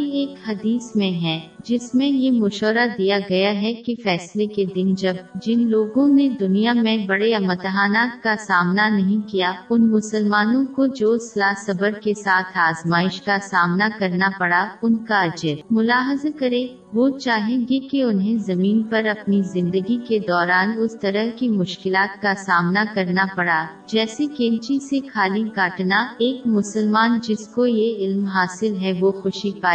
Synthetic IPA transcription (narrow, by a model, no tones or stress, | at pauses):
ieːkhɐd̪iːsmẽɦɛ̃ːd͡ʒɪsmẽjemʊʃɔːɾad̪ijaɡɐjaɦɛkefɛːsleked̪ɪnd͡ʒɐbd͡ʒɪnloːɡõned̪ʊnijamẽbɐɽeɐmɐt̪ɦaːnaːt̪kasaːmnanɐɦĩkijaʊnmʊsəlmaːnõkod͡ʒoːsɐlaːsɐbəɾkesaːt̪ʰaːzmaːɪʃkasaːmnakɐɾnapɐɽaʊnkaɐd͡ʒɪɾmʊlaːɦəzakɐɾẽ | ʋot͡ʃaːɦẽɡekeʊnɦẽzɐmiːnpɐɾɐpnizɪ̃nd̪əɡiked̪ɔːɾaːnʊst̪ɐɾəɦkimʊʃkɪlaːt̪kasaːmnakɐɾnapɐɽa | d͡ʒɛːsekẽːnt͡ʃisekʰaːliɡaːʈnaeːkmʊsəlmaːnd͡ʒɪskojeɪlmɦaːsɪlɦɛʋoxʊʃipaː